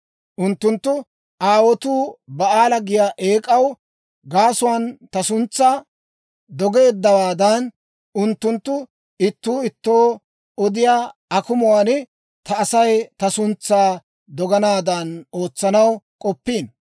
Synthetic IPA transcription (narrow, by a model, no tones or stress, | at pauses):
ʔʊnt̪ːʊnt̪ːʊ | ʔaːwɔt̪uːbɐaːlɐɡɪjaːʔe̞ːkʼɐw | ɡaːsʊwaːnt̪ɐsʊnt͡sːaː | d̪ɔɡe̞ːd̪ːɐwaːd̪ɐn | ʊnt̪ːʊnt̪ːʊ | ɪt̪ːuːɪt̪ːoː | ɔd̪ɪjaːɐkʊmʊwaːnɛ | t̪ɐːsɐjt̪ɐsʊnt͡sːaː | d̪ɔɡɐnaːd̪ɐno̞ːt͡sːɐnɐwkʼɔpːiːn